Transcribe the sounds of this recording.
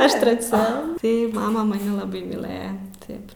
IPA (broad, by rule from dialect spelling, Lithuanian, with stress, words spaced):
ˈɐʃ tʲrʲɛˈt͡sʲɛ ˈtɐɪ ˈmɑːmɐ mɐˈnʲɪ lˠɐˈbɐɪ mʲiːˈlˠɘjɛ ˈtɐɪp